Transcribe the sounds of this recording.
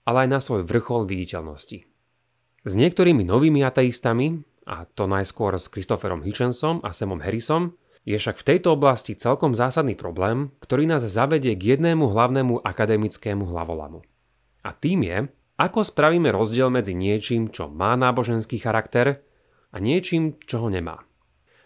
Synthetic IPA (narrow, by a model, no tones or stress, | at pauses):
alɛajnasʋɔjʋr̩xɔlʋiɟicɛʎnɔsci | zɲɪɛk̚t̪ɔɾiːminɔʋiːmiat̪ɛist̪ami | ʔa̰t̪ɔnajskʊɔɾskɾist̪ɔfɛɾɔ̰mɦit͡ʃɛnsɔma̰sɛmɔmɦɛɾisɔm | jɛfʃakft̪ɛjt̪ɔɔblascit͡sɛlkɔmzaːsad̪niːpɾɔblɛːmkt̪ɔɾiːnaːzzaʋɛɟɪɛɡjɛd̪nɛːmuɦlaʊnɛːmuʔakad̪ɛmit͡skɛːmuɦla̰ʋɔ̰la̰mu | a̰t̪iːmjɛ̰ | akɔspɾaʋiːmɛɾɔzɟɪɛlmɛd͡ziɲɪɛt͡ʃiːmt͡ʃɔ̰maːnaːbɔʒɛnskiːxaɾakt̪ɛɾ | aɲɪɛt͡ʃiːmt͡ʃɔɦɔɲɛma̰ː